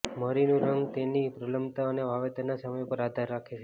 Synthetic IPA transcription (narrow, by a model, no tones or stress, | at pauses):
məɾinũɾəŋɡt̪enipɾələmbt̪aəneʋaʋet̪ənasəməjopəɾad̪ʱaɾːakʰet͡ʃʰe